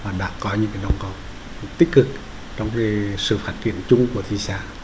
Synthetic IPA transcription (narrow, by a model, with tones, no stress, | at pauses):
vaː˨˩ɗa̰ː˧˥kɔ˨˦ɲɨ̰˧˥ŋka˨˦nɔ˨˧wŋ͡mkɔ˨˩ | t̪i˦˥k̚kɨ˨˩k̚ | t͡ɕɔ˧wŋ͡mki˨˦sɨ̰˧˨faː˦˥t̚t͡ɕḭ˧˨ənt͡ɕʊ˧ŋ͡mku˧˩ət̪ʰi˧saː˧˩